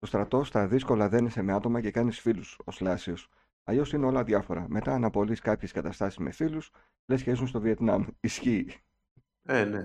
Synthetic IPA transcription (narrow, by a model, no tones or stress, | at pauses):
t̪o̞st̪ɾɐt̪o̞st̪ɐðisko̞lɐðe̞nise̞me̞ɐt̪o̞mɐce̞kɐnisfiluso̞slɐsio̞s | ɐ̰ʎo̞sineo̞lɐðʝɐfo̞ɾɐ̰me̞t̪ɐːnɐpo̞liskɐpçe̞skɐt̪ɐst̪ɐsi̥zme̞̰filus | lesçeizunst̪o̞vie̞t̪nɐmisçiː | ene